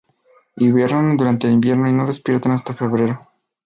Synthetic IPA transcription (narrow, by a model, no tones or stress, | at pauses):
iβjeɾond̪uɾant̪e̞ːlimbje̞ɾno̞ino̞ðe̞spje̞ɾt̪anast̪afe̞βɾeɾo